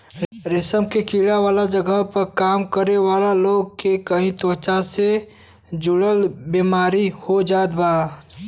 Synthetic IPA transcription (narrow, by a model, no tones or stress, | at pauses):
ɾɪsəmkekiɽaʋaːlad͡ʒəɡəɦpəɾkaːmkəɾeʋaːlaloːɡ̚kekəɦĩt̪ot͡ʃase | d͡ʒʊɽəlbimaːɾihod͡ʒaːd̪baː